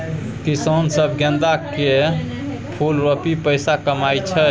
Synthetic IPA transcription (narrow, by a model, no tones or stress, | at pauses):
kisonsəbʱɡẽnd̪ake | pʰulɾopipəjsakəmajt͡ʃʰɛ